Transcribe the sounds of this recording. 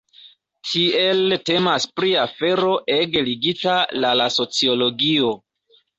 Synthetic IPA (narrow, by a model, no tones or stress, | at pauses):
tʰie̞lte̞maspɾiafe̞ɾo̞ʔe̞ɡliɡitalalaso̞t͡sio̞lo̞ɡio̞